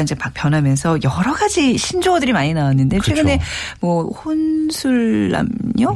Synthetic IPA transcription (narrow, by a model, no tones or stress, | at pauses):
ind͡ʑe̞pak̚p͈jʌnɦamjʌnsʰʌjʌɾʌɡad͡ʑiɕʰind͡ʑoodɯɾimaɲinawanːɯnde̞t͡ɕʰwe̞ɡɯne̞mwʌhonsʰuɭːa̰mɲo